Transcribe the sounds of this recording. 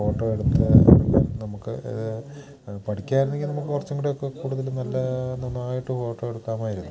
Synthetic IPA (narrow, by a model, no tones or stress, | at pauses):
o̞ːʈːo̞ːeɽut̪ːɨnɐmukːɨ̰ḭðɨ | pɐʈikʲːaːjiɾunːe̞ŋɡilnɐmukːɨkurɐt͡ɕːɐŋːɡiʈːejokːe̞kuːɽuðɐlnɐlːɐnɐnːaːjiʈːɨfoːʈːo̞ːeɽukːaːmaːjiɾunːu